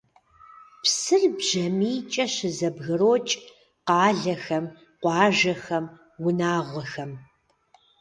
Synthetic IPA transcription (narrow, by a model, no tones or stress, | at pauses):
psɨrbʑ̥ɐmiːt͡ʃʼɐɕɪzɐbɣɨroːt͡ʃʼ | qɑːɮɐxɐm | qʷɑːʒɐxɐm | wʊnaːʁʷɔxɐm